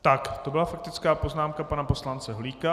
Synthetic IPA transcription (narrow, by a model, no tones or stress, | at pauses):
t̪akt̪o̞bɪlafak̚t̪ɪt͡skaːpo̞znaːmkapanapo̞slant͡sɛɦoliːka